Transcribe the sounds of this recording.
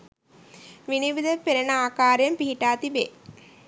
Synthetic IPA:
ʋiniʋid̪əpːeɾɐnəaːkaːɾjɐmpiɦiʈaːt̪ibe

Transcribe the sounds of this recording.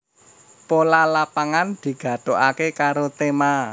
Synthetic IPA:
polalapaŋand̪̥i̤ɡ̥ä̤d̪̥oʔakekaɾot̪ema

